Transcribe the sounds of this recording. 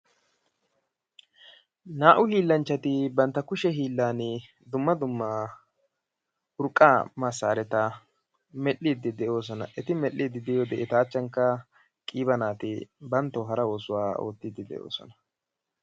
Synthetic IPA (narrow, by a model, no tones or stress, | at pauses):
naːʔʊliːlːɐnt͡ʃːɐt̪ɪbɐnt̪ːɐkʊʃɛɦiːlːaːnɪ | d̪ʊmːɐd̪ʊmːa | ʊɾkʼːamɐsːaːɾɛt̪ɐ | mɛʔːiːd̪ɪd̪ɛʔo̞ːs̬ɔnɐ̰ʔɛt̪ɪmɛlːiːd̪ɪd̪ɪjoːd̪ɛʔɪt̪aːt͡ʃːɐŋkːɐ | kʼiːbɐnaːt̪ɪbɐnt̪ːɔɦɐɾɐo̞ːsʊwaːo̞̰ːt̪ːɪd̪ɪd̪ɛ̰ʔo̰ːsɔ̰nɐ̥